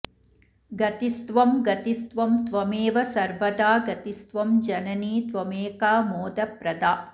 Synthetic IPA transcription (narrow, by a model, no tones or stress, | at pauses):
ɡɐt̪ist̪ʋɐmɡɐt̪ist̪ʋɐmt̪ʋɐmeːʋɐsɐɾʋɐd̪aːɡɐt̪ist̪ʋɐmd͡ʒɐnɐniːt̪ʋɐmeːkaːmoːd̪ɐpɾɐd̪aː